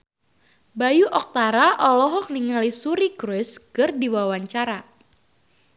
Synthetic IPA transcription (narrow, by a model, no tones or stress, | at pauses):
bajuʔɔk̚t̪aɾaʔɔlɔɦɔk̚niŋalisuɾikɾʊskɨrdiwawaɲt͡ʃaɾa